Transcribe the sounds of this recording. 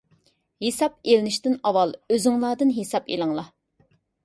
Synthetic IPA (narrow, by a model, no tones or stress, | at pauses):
hesɑp̚elɪnɪʃt̪ɪnɑwɑlˠøzɪŋlˠɑːd̪ɨnɦesɑpḛlˠɨŋlˠɑ